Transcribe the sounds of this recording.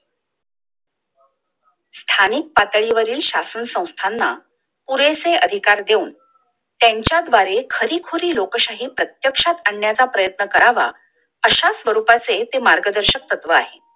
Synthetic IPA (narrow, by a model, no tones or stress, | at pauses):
st̪ʰanik̚pat̪ɭiʋəɾiːlɕasənsə̃w̃st̪ʰanːa | puɾeseʔəd̪ʱikaɾd̪euːn | t̪jaɲt͡ɕjad̪ʋaɾekʰəɾiːkʰoɾiːlokəɕaɦiːpɾət̪jəkʂat̪aɳːjat͡sapɾəjət̪nəkəɾaʋa̰ | əɕasʋəɾupat͡set̪emaɾɡəd̪əɾɕək̚t̪ət̪ʋəaɦe